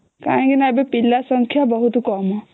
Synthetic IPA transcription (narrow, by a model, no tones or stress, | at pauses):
kaɦkinabepilːasəŋkʰjabɔɦut̪kɔmɔ